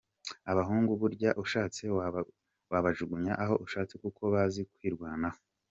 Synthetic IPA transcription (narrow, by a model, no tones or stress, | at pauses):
aβaɦuːŋɡuβuɾɟaʔuʃaːt͡se̞ | waβaʒuɡuɲaʔaɦo̞ʔuʃaːt͡sikuko̞βazikwiːɾɡwaːnaho